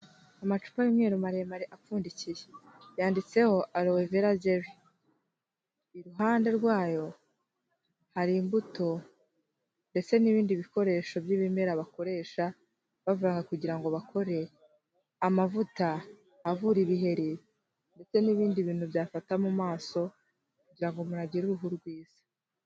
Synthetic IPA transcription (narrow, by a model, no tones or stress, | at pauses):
amat͡ʃu̥pajumɲe̞ːɾumaɾemaɾiʔafuːndicije | jaːndit͡se̞ho̞ʔaloweveɾaɟeɾi | iɾuɦaːnde̞ɾɡwaːjo̞ | haɾimbuto̞ | nde̞t͡se̞niβiːndiβiko̞ɾe̞ːʃo̞bjiːβime̞ɾaβako̞ɾe̞ːʃa | βavuɾaːŋɡakuɟiɾaŋɡo̞βakʰo̞ɾe̞ | amavutaː | vuɾiβiɦe̞ɾi | nde̞t͡se̞niβiːndiβiːn̥huβjaːfatamumaːso̞ | kuɟiɾaŋɡo̞muɾaɟiɾuɾuɦuɾɡwiːz̥ḁ